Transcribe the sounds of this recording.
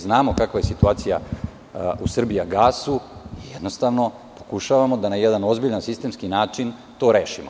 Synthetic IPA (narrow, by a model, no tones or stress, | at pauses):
znaːmo̞kakʋaje̞sit̪uaːt̪sija̰ | usr̩biaɡaːsuijed̪nost̪aːʋno̞ | po̞̥kuʃaʋamo̞d̪anajed̪ano̞zbiʎansist̪e̞mskinaːt͡ʃin | t̪o̞ːɾeːʃimo